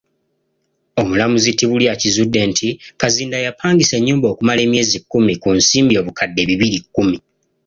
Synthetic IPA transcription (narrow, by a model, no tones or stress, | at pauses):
o̞mulamuzitiβuljacizudːe̞ntʰikaziːndajapaːŋɡise̞ɲːuːmbo̞ːkumale̞ːmje̞ːzikːumikunsiːmbio̞ːβukadːe̞βiβilikːumi